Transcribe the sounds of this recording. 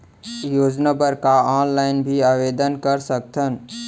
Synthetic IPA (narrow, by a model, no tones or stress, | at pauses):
joːd͡ʒnəbəɾkaaːnlaːɪnbʱiaːʋeːd̪ənkəɾsək̚t̪ʰən